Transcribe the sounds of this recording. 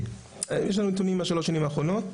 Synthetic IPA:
jeʃlanut̪unimaʃaloʃːanimaːχʁono̞t̪

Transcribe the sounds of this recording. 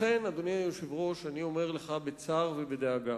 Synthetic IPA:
enad̪oniajoʃevʁo̞ʃanio̞meʁleχabet͡saʁvebed̪eaɡa

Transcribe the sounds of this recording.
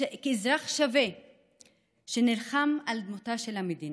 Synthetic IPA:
kezʁaχʃave | ʃenilχamald̪mutaʃelhamed̪in

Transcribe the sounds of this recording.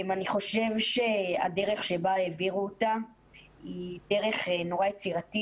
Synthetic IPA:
maniχo̞ʃe̞vʃe̞a̰de̞ʁe̞χʃe̞baeviʁuota | ide̞ʁe̞χno̞ʁajet͡siʁati

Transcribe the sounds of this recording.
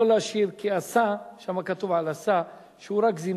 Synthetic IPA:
olaʃiʁkiasaʃamakat̪uvʕalasa | ʃeuʁakzim

